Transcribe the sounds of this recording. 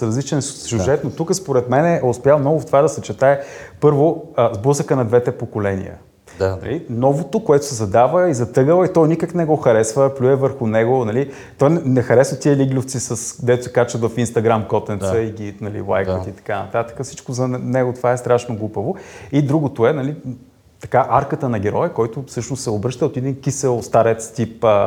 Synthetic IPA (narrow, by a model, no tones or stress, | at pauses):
ɾɐzlit͡ʃɛnsʲjuʒɛt̪not̪ukəspoɾɛt̪mɛnɛʊspʲjalˠmnɔɡʊft̪ovad̪ɐsɛt͡ʃɛt̪aɛpɤɾvoəzbuzəkənɐd̪vɛt̪ɛpokolɛnḭjə̰ | nɐ̰linɔvot̪okoɛt̪ʊ̥sɛzɐd̪avəizɐt̪ɤɡəlˠəit̪ɔjnikəknɛɡɔxɐɾɛsvəplʲuɛvəɾxʊnɛɡonɐli | t̪ɔjnɛnɛxɐɾɛsvət̪iəliɡlʲʊft̪sisəsd̪ɛt̪osɛ̥kat͡ʃət̪vɐfinst̪ɐɡɾamkɔt̪ɛnt̪əiɡʲinɐlḭlˠa̰jkət̪it̪ɐ̥kanɐ̰t̪at̪ə̥kəfsit͡ʃkozɐnɛɡot̪ovaɛst̪ɾaʃnoɡlˠupəvoid̪ɾuɡot̪oɛnɐli | t̪ɐkaʔaɾkət̪ənɐɡʲɛɾɔjɛkɔjt̪ʊfsɤʃnost̪sɛobɾɤʃt̪əot̪id̪inkisɛlˠst̪aɾɛt̪st̪ipː